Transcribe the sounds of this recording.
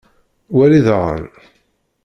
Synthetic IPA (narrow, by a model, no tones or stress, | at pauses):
wæliðʁə̰n